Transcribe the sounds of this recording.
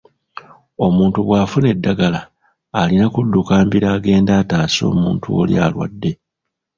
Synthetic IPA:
o̞muːntuβwaːfune̞dːaɡalaː | linakudːukaːmbiɾaːɡe̞ːndaːtaːso̞̰ːmuːntʰuo̰lja̰lwa̰dːe̞

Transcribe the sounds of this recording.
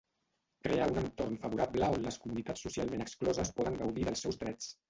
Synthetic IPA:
kɾeaunənt̪ornfəβuɾapləonləskumunit̪at͡sːusialˠmenəksklɔzəspɔðəŋɡəwðiðəlˠsɛwzðɾɛt͡s

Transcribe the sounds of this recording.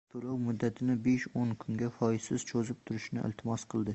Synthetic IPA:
t̪ʰolawmʊd̪ːat̪ʰɪnɪbeʃonkʰʊŋɡʲafɒjɪsɪz̥t͡ʃʰozɪp̚t̪ʰʊɾɪʃnɪʔɪ̰lt̪ʰɪmɒsqʰɨlˠd̪ɪ

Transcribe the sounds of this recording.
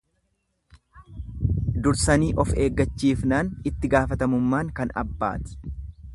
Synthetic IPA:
d̪ʊɾsɐniːʔɔfe̞ːɡːɐt͡ʃːiːfnaːnɪt̪ːɪɡaːfɐt̪ɐmʊmːaːŋkɐnɐ̰bːa̰ːt̪ɪ̥

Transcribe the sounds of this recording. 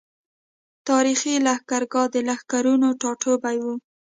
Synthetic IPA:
t̪ɑɾixilahkaɾɡɑd̪əlahkaɾunoʈɑʈʰobajwu

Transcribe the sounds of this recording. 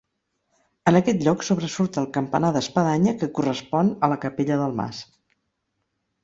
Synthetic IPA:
ənəkɛt̪ʎɔksoβɾəsuɾt̪əːlˠkəmpənaðəspəðaɲəkəkurəspɔnələkəpeʎəðəlˠma̰s

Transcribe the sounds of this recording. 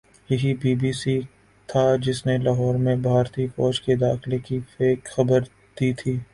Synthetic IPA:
jɐɦibiːbiːsi | t̪ʰad͡ʒɪsnelaːɦɔːɾmẽbʱaːɾt̪ifɔːd͡ʒked̪aːxlekifeːkxɐbəɾ | d̪̥iːt̪ʰiː

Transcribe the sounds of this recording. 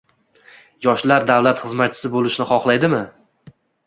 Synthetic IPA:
jɒʃlaɾd̪avlat̪χɨzmat̪̚t͡ʃʰɪ̥sɪbolˠɪʃnɪχɒχlˠajd̪ɪmɪ

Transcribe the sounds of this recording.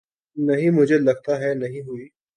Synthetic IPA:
nɐɦĩmʊd͡ʒʱelɐɡ̚t̪aɦɛnɐɦĩɦʊiː

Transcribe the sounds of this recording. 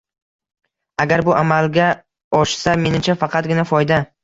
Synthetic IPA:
aɡʲaɾbʊʔamalɡʲa | ɒʃsame̞nɪmt͡ʃʰafɑqʰɑt̪̚ɡʲɪnafɒjd̪a

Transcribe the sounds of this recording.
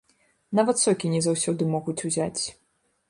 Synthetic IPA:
navɐt̪sʲɔkʲinʲɛzawsʲɔd̪ɨmɔɣut͡sʲuzʲat͡sʲ

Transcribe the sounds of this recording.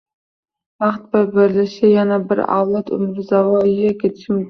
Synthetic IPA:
vaχt̪̚bɪɾbɪɾlɪʃɪjanabɪɾa̰wlˠat̪ʊ̰mɾɪzavɒjɪjakʲet̪ʰɪʃɪm

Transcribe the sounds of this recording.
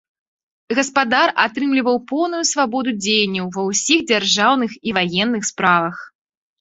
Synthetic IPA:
ɣɐspad̪arʔat̪ɾɨmlʲivɐwpɔwnujusvabɔd̪ud͡zʲejɐnʲːɐwvɐwsʲiɣd͡zʲarʐawnɨxivajɛnːɨxspɾavɐx

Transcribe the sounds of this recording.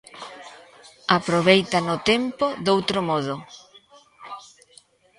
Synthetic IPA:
apɾoβejt̪anʊt̪empoðowt̪ɾomɔðʊ

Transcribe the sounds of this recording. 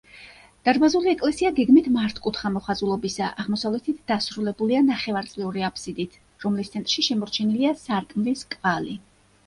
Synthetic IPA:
d̪̥aɾbazuliɛkʼlɛsiaɡɛɡmit̪ʰmaɾt̪ʰkʼut̪ʰχamɔχazulˠɔbisa̰ʔaʁmɔsavlɛt̪ʰit̪ʰd̪̥asɾulɛbulianaχɛvaɾt̪sʼlɛuɾiapʰsid̪it̪ʰ | ɾɔmlist̪sʰɛnt̪ʼɾʃiʃɛmɔɾt͡ʃʰɛniliasaɾkʼmliskʼvali

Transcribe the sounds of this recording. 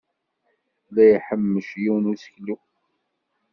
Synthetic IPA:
læjħəmːəʃjiwnusə̥çlu

